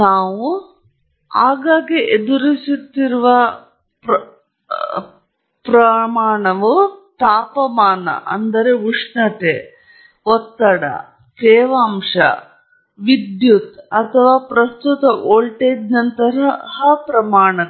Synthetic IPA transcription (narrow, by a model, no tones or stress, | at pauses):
naːʋu | a̰ːɡaːɡiʔed̪uɾisut̪ːiɾuʋɐ | p | pɾɐmaːɳɐʋut̪aːpɐmaːnɐ̰ʔɐ̰nd̪ɐɾeuʂɳɐʈ̪e | ɔt̪ːɐɽɐ̰ | teːʋaːmʂɐ̰ | ʋid̪jut̪ɐt̪ʰɐʋaːpɾɐst̪ut̪ɐʔoːɭʈeːd͡ʒnɐnt̪ɐɾɐhɐpɾɐmaːɳɐ